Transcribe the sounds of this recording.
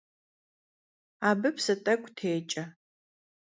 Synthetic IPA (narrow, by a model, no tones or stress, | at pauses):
aːbɨpsɐtʼɐkʷʼtʰeːt͡ʃʼɐ